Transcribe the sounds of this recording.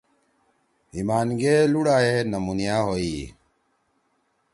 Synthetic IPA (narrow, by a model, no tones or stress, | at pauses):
imaːnɡeːluɽaːenɐmunijaːɦoːiː